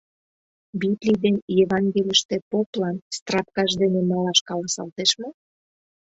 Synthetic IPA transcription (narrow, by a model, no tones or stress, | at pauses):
bit̪lʲid̪enjeβɑŋɡelʲəʃt̪ĕpoplɑnst̪rɑp̚kɑʃd̪enemɑlɑʃkɑlɑsɑ̰lt̪eʃmo